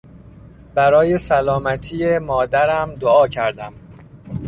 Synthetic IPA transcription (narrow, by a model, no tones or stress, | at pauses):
b̥æɾɒːje̞sælɒːmæt̪ʰiːjemɒːd̪æɾæmd̪oɒːcʰæɾd̪æm